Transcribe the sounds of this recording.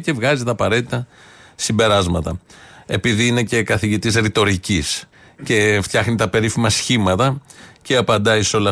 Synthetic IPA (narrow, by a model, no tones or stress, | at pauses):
ce̞vɣɐzit̪ɐːpɐɾe̞t̪it̪ɐ | simbe̞ɾɐzmɐt̪ɐ̰e̞piðiine̞ce̞kɐθiʝit̪isɾit̪o̞ɾicis | ce̞ft̪çɐxnit̪ɐpe̞ɾifimɐsçimɐt̪ɐceɐpɐnd̪ɐiseo̞lɐ